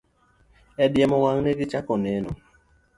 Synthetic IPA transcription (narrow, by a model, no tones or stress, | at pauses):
ɛdjɛmɔwaŋnɛɡit͡ʃakɔnɛnɔ̰